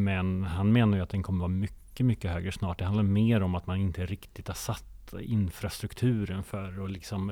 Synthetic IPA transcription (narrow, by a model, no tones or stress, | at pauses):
mɛnhanmeːnaɾjɵat̪d̪ɛnkʰɔmːəvɑːmʏkːəmʏkːəɦøːɡɾəʂnɑːʈ̚d̪ɛhand̪aɾmeːɾɔmat̪manɪnt̪əɾɪkt̪ɪt̪haʂat̪ːɪnfɾast̪ɾɵkt̪ʰʉ̟ːɾənfœɾɔlɪksɔm